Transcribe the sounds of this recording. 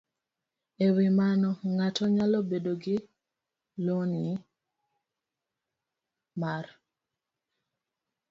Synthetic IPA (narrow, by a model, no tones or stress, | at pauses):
ewimanɔŋatɔɲalɔbedoɡɪ | lon | mar